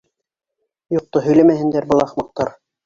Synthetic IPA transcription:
jŏq̚t̪oɦɵ̆jlæmæhɘ̆nd̪æɾbɤ̆lˠɑχmɑq̚t̪ɑɾ

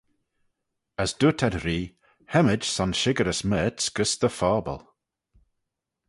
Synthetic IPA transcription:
əsd̥uːtʰadɾiː | hɛməd͡ʒsɔnʃɪɡəɾəsmɛːtsɡ̥əsðəfɔːbə̰lˠ

